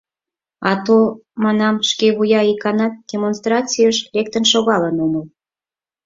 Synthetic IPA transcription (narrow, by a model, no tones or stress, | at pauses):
ɑt̪omɑnɑmʃkeβujɑikɑnɑt̪̚d̥ʲemonst̪rɑt͡sijəʃlek̚t̪ənʃoɣɑlənoməl